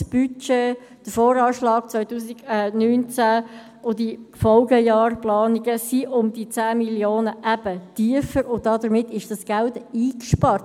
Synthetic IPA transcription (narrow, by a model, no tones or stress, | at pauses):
sb̥yt͡ʃe | d̥əfoːɾɑːʃlɑːk̚t͡svœʏtuːsiɡ̥ɛnyːnt͡sæ | odifɔlɡəjɑːrplɑːniɡəsiʔʊmd̥it͡sæːmiljoːnəʔæb̥ətiəfəɾʊdɑdəɾmɪtɪʃd̥ɑsɡ̥æltiːkʃpɑrt